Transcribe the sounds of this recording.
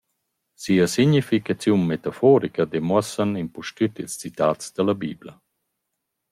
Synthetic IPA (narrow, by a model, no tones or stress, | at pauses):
siəsiɲifikat͡sjunmet̪afɔɾikəd̪emwɔsanimpuʃtyt̪ilst͡sit̪aːt͡sd̪̥əlabḭːblə̰